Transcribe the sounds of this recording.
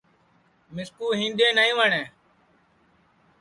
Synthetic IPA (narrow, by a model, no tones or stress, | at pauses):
mɪskuːɦĩːndẽːnəĩːʋəɳeː